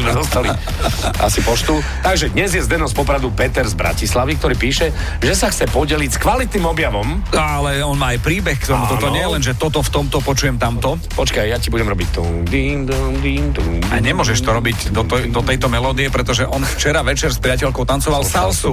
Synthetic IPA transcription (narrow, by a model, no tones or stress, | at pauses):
zmɛzɔst̪ali | ʔa̰sipɔʃt̪u | t̪aɡʒɛd̪ɲɛzjɛzd̪ɛnɔspɔpɾad̪upɛt̪ɛɾzbɾa̰cislaʋikt̪ɔɾiːpiːʃɛ | ʒɛsaxt͡sɛpɔɟɛlicskʋalit̪nimɔbjaʋɔmalɛɔnmaːajpɾiːbɛxkt̪ɔmut̪ɔt̪ɔɲɪɛjɛlɛnʒɛt̪ɔt̪ɔft̪ɔmt̪ɔpɔt͡ʃujɛmt̪amt̪ɔ | pɔt͡ʃkajjacibuɟɛmɾɔbict̪u | d̪iːnd̪d̪iːnt̪ua̰ɲɛmʊɔʒɛʃt̪ɔɾɔbiɟd̪ɔt̪d̪ɔt̪ɛjt̪ɔmɛlɔːd̪iɛpɾɛt̪ɔʒɛʔɔnft͡ʃɛɾaʋɛt͡ʃɛɾspɾɪacɛʎkɔʊt̪ant͡sɔʋalsalsu